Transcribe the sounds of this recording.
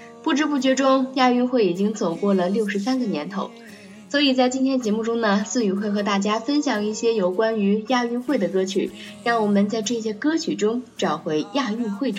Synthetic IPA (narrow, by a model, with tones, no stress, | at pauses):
pu˥˩ʈ͡ʂɻ̩˥p̬u˥˩t͡ɕɥɛ˧˥ʈ͡ʂʊ˥ŋja˥˧y˥˧xwe˥˩ɪi˨˩t͡ɕi˥ŋt͡so˨˩ʊkwɔ˥˩lə˩ljo˥˩ʊʂɻ̩˧˥sa˥nɡə˨njɛ̰˧˥nt̪ʰo˧˥˦ʊ | swɔ˧˥i˨˩t͡sa˥˧ɪt͡ɕi˥nt̪ʰjɛ˥nt͡ɕjɛ˧˥mu˥˩ʈ͡ʂʊ˥ŋnə˨sɹ̩˥˧y˧˥˩xwe˥˩ɪxɤ˧˥t̪a˥˩t͡ɕja˥fə˥nɕjɑ˨˩ŋi˥˩ɕjɛ˥jo˨˩ʊkwa˥ny˧˥ja˥˧y˥˧xwe˥˩ɪd̪ə˩kɤ˥t͡ɕʰy̰˨˩˦ | ɻɑ˥˩ŋwɔ˨˩mə˧˦nt͡sa˥˧ɪʈ͡ʂɤ˥˩ɕjɛ˥kɤ˥t͡ɕʰy˨˩ʈ͡ʂʊ˥ŋʈ͡ʂɑ˨˩ʊxwe˧˥ɪja˥˧y˥˧xwe˥˩ɪʈ͡ʂ